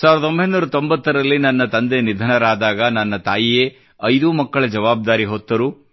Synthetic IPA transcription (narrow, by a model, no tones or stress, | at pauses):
saːʋɾɐo̞mbʱɐjnuːɾɐt̪o̞mbɐt̪ːɐɾɐlːinɐnːɐt̪ɐnd̪e̞nid̪ʱɐnɐɾaːd̪aːɡɐnɐnːɐt̪aːjijeː | ɐjd̪umɐkːɐɭɐd͡ʒɐʋaːb̚d̪aːɾiɦɔt̪ːɐɾu